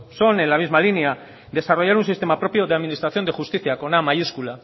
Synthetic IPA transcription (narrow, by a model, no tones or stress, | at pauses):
so̞ne̞nlamizmalinea | d̪e̞saro̞ʝaɾunsist̪e̞mapɾo̞pjo̞ðeaðminist̪ɾaθjo̞nd̪e̞xust̪iθjako̞namajuskula